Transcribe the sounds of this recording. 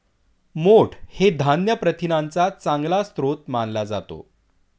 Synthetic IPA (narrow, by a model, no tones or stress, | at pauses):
moʈʰhed̪ʱanjəpɾət̪ʰinant͡sat͡sãŋɡlast̪ɾot̪manlad͡za̰t̪o̰